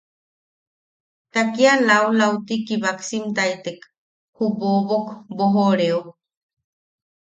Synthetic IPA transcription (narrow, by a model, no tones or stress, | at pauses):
t̪akialaulaut̪ikiβaksimt̪ait̪ek | hupobokboɦoɾeo